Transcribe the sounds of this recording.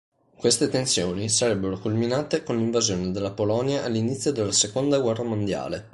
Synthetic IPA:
kwest̪et̪ensjoːnisaɾɛbːeɾokulminaːt̪ekonliɱvazjoːned̪elːapolɔnjaʔalːinit̪sːjod̪elːasekond̪aɡwɛrːamond̪ja̰ːle

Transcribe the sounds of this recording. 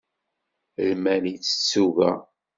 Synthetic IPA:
lmænit͡sːə̥t͡sːuvæ̰

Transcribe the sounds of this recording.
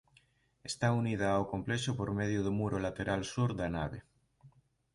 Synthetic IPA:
est̪aunið̞aːokompleʃopoɾmeðjoð̞umuɾolat̪eɾalsuɾðanaβe

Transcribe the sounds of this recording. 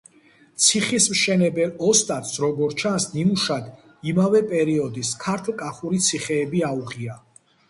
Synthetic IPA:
t̪sʰiχismʃɛnɛbɛlɔst̪ʼat̪sɾɔɡɔɾt͡ʃʰansnimuʃad̪ | imavɛpʼɛɾiɔd̪iskʰaɾt̪ʰlˠkʼaχuɾit̪sʰiχɛːbiauʁia

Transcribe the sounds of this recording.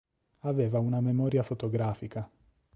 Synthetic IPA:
aveːvaunamemɔːɾjafot̪oɡɾaːfika

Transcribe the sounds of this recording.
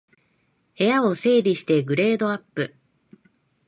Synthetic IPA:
he̞jao̞se̞ːɾʲiɕi̥t̪e̞ɡɯ̟ɾe̞ːd̪o̞apːɯ̟

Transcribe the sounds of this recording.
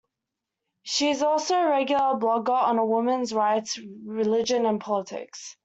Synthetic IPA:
ʃiɪzɔˑlˠsoʊəɹɛɡjl̩ˠəblɒɡəɹə̃nəwʊmə̃nzɹaɪtɹɪlɪd͡ʒə̃nə̃npʰɒlətʰɪ̰ks

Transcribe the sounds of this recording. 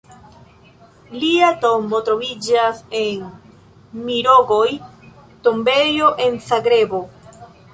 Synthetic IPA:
liato̞mbo̞t̪ɾo̞vid͡ʒase̞n | miɾo̞ɡo̞j | tombe̞joʔe̞nsaɡɾe̞bo

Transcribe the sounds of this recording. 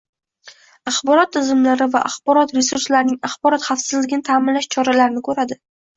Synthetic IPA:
ɑχbɒɾɒt̪ʰːɪzɪmlaɾɪva̰ʔaχbɒɾɒt̪ɾe̞suɾslaɾɪnɪŋaχbɒɾɒt̪χafsɪzlɪɡʲɪnɪt̪ʰaːmɪnlaʃt͡ʃʰɒɾalaɾɪnɪkʰɵɾad̪ɪ

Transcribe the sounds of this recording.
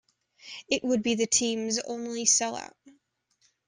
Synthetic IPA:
ɨʔ̚wəd̚biðɨtʰĩmzõ̰ʊ̃nlisɛlˠa̰ʊt̚

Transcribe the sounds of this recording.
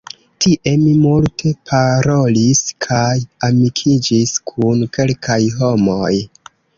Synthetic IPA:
tiʔe̞mimultʰe̞pʰaɾo̞liskʰajamikʰid͡ʒiskʰunke̞lkʰajɦo̞mo̞j

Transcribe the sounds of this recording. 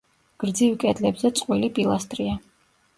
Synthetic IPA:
ɡ̥ɾd̪zivkʼɛd̪lɛbzɛt̪sʼqʼwilipʼilˠast̪ʼɾia

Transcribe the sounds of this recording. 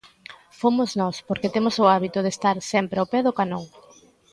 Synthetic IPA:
fomʊznɔspoɾket̪emʊsʊaβit̪ʊð̞est̪aɾsɛmpɾeapɛðʊkanoŋ

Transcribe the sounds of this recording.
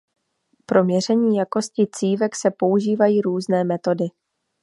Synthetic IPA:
pɾo̞mɲɛr̝ɛɲiːjako̞scɪt͡siːvɛksɛpo̞uʒiːvajiːɾuːznɛːmɛt̪o̞dɪ

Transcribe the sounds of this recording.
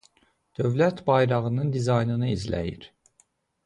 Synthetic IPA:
d̪̥ø̞vlæt̪bɑjɾɑʁɯnɯnd̪izɑjnɯnɯizlæ̰jḭɾ

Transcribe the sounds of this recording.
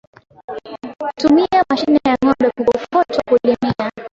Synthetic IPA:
tumiamaʃinɛjaŋɔɗɔkukɔfɔtakulimia

